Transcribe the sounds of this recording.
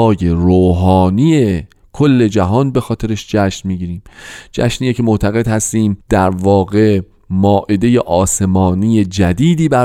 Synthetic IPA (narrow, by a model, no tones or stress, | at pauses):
je̞ɾoːɦɒːnije̞ | kʰolːe̞d͡ʒæɦɒːnbe̞xɒːt̪ʰe̞ɾeʃd͡ʒæʃnmiːɡiːɾiːmd͡ʒæ̰ʃniːjecʰe̞moʔt̪ʰæɣe̞d̪hæst̪iːmd̪̥æɾvɒːɣe̞ | mɒːʔed̪e̞jeʔɒːse̞mɒːnije̞d͡ʒæd̪iːd̪iːbæɾ